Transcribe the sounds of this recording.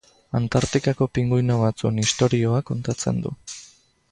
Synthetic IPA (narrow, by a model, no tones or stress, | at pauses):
ant̪aɾt̪ikako̞piŋɡujnoβ̞at͡suenist̪o̞ɾio̞akːo̞nt̪at͡se̞̰nd̪ṵ